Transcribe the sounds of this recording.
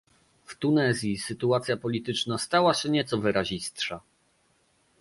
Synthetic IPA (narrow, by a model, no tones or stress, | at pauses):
ft̪unɛzʲjisɘt̪uat̪sʲjapɔlʲit̪ɘt͡ʂnast̪awaɕɛɲɛt̪sɔvɘɾaʑist̪ʂa